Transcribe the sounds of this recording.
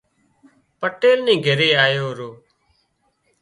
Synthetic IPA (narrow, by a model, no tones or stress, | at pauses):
pəʈeːlnĩːɡʱəɾeːaːjoːɾoː